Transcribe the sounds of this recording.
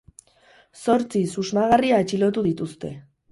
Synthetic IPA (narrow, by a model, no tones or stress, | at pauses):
so̞ɾt͡sisuzmaɣariaet͡ʃilo̞t̪uðit̪ust̪e̞